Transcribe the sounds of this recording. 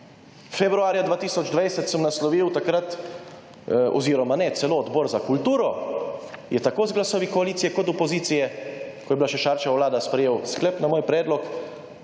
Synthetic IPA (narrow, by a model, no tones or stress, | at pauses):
fɛbɾuaːɾjad̪ʋaːt̪iːsɔd͡ʒd̪ʋajsət̪səmnaslɔʋiwt̪akɾat̪ | ɔ̰ziːɾɔmanɛt̪sɛloːd̪bɔːɾzakult̪uːɾɔ | jɛt̪akoːzɡlasɔːʋikɔaliːt̪ijɛkɔt̪ɔpɔziːt̪sijɛkɔjɛbilaʃɛʃaɾt͡ʃawlaːd̪aspɾɛjeːwsklɛpnamoːjpɾɛːd̪lɔk